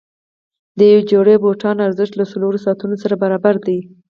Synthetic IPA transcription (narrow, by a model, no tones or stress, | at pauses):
d̪əjawed͡ʒoɽeboʈɑnaɾzɪʃt̪lasaloɾosɑt̪unosaɾabaɾɑbaɾd̪i